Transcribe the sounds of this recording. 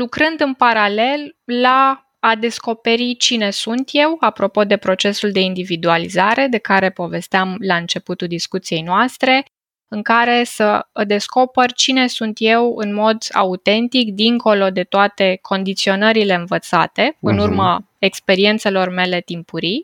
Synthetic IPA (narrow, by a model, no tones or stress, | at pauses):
lukɾɨnd̪ɨnpaɾale̞lːaː | d̪e̞sko̞pe̞ɾit͡ʃine̞sunt̪je̞wapɾo̞po̞d̪e̞pɾo̞t͡ʃe̞suld̪e̞ind̪ivid̪ualizaɾe̞d̪e̞kaɾe̞po̞ve̞st̪eamlaɨnt͡ʃe̞put̪uld̪iskut̪sije̞jnoast̪ɾe̞ | ɨŋkaɾe̞səəd̪e̞sko̞pərt͡ʃine̞sunt̪je̞wɨnmo̞d̪a̰ut̪e̞nt̪ikd̪iŋko̞lo̞d̪e̞t̪oat̪e̞kʰo̞nd̪it̪sio̞nəɾile̞ɨnvət̪sa̰t̪e̞ɨnurmə | ekspe̞ɾie̞nt̪se̞lo̞rme̞le̞t̪impuɾi